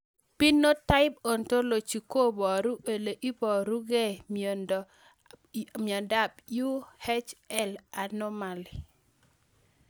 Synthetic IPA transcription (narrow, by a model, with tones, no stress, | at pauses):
pi˦nːo˦ta˦ɪ˦bo˨nto˦lo˨t͡ʃi˨ko˦bɔ˨ɾu˦ʔe˨le˨ʔi˦bɔ˨ɾu˦ɡe˦˨mio˨nd | m˨ɔ˨nda˦p̚ju˦hɛ˦t͡ʃɛ˦la˨nɔ˦ma˨li˨